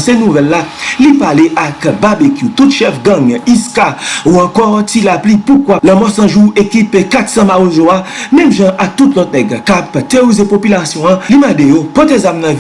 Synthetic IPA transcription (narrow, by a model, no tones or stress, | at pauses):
senuvɛlːalipaleʔakbabekjut̪utʃɛfɡãŋiskauɑ̃kɔʁtilaplipukwalãmɔsɐ̃ʒuekipekat̪sɐ̃maozoamɛ̃mʒãʔak̚t̪ut̪lɔt̪̚nɛɡkapt̪eoizepopylasjɔ̃ãlimɐ̃dejopɔt̪ezamnã